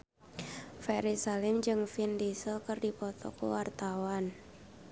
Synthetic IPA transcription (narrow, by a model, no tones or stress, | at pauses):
fɛɾisalɪmd͡ʒɨŋfindisɔkərdipɔt̪ɔ̰kuwart̪awan